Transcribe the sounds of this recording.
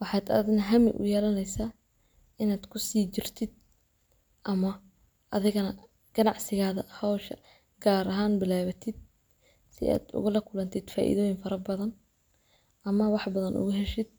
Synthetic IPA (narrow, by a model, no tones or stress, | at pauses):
wɑħɑːd̪ɐ̰ðɪnɦɐmɪ̰ʔʊ̰jɛːlɐnɛjsaː | ɪnaːd̪kʰʊsiːt͡ʃɪrt̪ʰɪd̪̚ | ʔɐmɐ | ʔɐðɪɣɐnɐ | ɡ̥ɐnɑʕsɪɣaːðɐhɔwʃɐ̰ | ɡ̥aːɾɐɦaːnbɪlaːβɐt̪ʰɪd̪̥̚ | sɪ̰ʔa̰ːd̪ʊ̰ɣʊlɐkʰʊlɐnt̪ʰɪd̪̥fa̰ːʔḭðɔːjɪŋfɐɾɐbɐðɐn | ʔɐmɐwɑħbɐðɐnʔʊ̰ɣʊɦɛʃɪd̪̚